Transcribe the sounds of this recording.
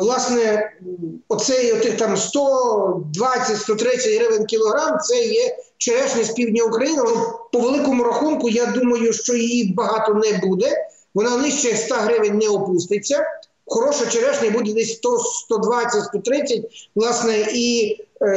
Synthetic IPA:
ʋlˠɑsnɛ | ɔt̪sɛjɔt̪ɪxt̪ɑmst̪ɔd̪ʋɑt͡sʲːɐtʲst̪ɔt̪ɾɪt͡sʲːɐtʲɦɾɪʋenʲkʲilˠɔɦɾɑmt̪sɛjɛt͡ʃeɾɛʃnʲɛspʲiwdʲnʲɐʊkɾɐjinɪʋɔpɔʋelˠɪkɔmʊɾɐxunkʊjad̪umɐjʊʃt͡ʃɔjijibɐɦɑt̪ɔnɛbud̪ɛ | ʋɔnɑnɪsʲt͡ʃɛst̪ɑɦɾɪʋenʲnɛɔpust̪ɪt͡sʲːɐ | xɔɾɔʃɔt͡ʃeɾɛʃnʲɛbud̪ɛd̪ɛsʲst̪ɔst̪ɔd̪ʋɑt͡sʲɐtʲst̪ɔt̪ɾɪt͡sʲːɐt̚ʲʋlˠɑsnɛʔi

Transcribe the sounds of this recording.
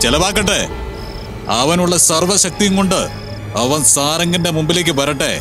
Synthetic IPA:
t͡ɕelɐʋaːk̬ːɐʈːḛ | ɐ̰ʋɐnuɭːɐsɐrʋɐɕɐk̚t̪ijuŋko̞ɳɖɨ | ɐʋɐnsaːɾɐŋɡɐndemumbile̞ːk̬ʲːɨpɐɾɐʈːe̞̰

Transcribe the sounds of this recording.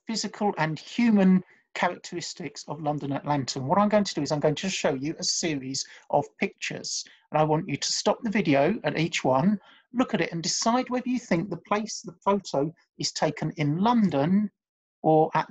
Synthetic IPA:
fɪzɪkʰəlˠʔə̃nhjʉmə̃n | kʰæɹɨk̚tʰəɹɪstɪksəvlʌ̃ndə̃nəʔlãntʰəə̃nwɒʌɾãɪ̃mɡoʊɪ̃ŋtʰədəɪzãɪ̃mɡoʊɪ̃ŋtʰɨʃoʊjɨʔəsɪəɹizʔəv̥pʰɪk̚t͡ʃə̰z̥ | ə̃naɪwɒ̃nt͡ʃɨtʰə̥stɒp̚ðəvɪdioʊəɾiˑt͡ʃwʌ̃n | lʊkəɾɪtə̃ndɪsaɪd̚wɛðəjɨθɪ̃ŋk̚ðəpʰl̥eɪsðəfoʊtʰoʊ | ɪz̥tʰeɪkʰə̃nɪ̃nlʌ̃ndə̃n | ʔə˞ʔəʔ

